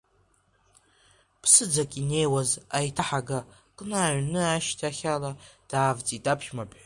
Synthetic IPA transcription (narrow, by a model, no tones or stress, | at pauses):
pʰsɨd͡zakʲʼine̞jwazajtʰaħaɡakʼnaːɥnɨaʃtʰaχʲalad̥aːvt͡sʼitʼapʰʃmapʼħ